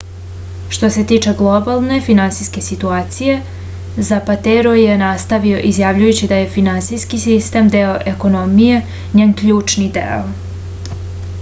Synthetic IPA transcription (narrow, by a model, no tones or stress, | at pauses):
ʃt̪o̞se̞t̪iːt͡ʃe̞ɡlˠobalˠne̞finansijske̞sit̪uaːt̪sije̞ | zapat̪eɾoje̞nast̪aʋio̞ʔizjaʋʎujut͡ɕid̪aje̞finansijskisist̪e̞md̪eoʔeko̞nomije̞ | ɲeːnkʎuːt͡ʃnid̪ḛo